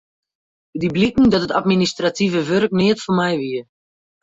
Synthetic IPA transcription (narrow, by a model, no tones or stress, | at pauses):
diblikŋ̩dɔtətatministratʰivəʋørknɪətfɔnmɛjʋiə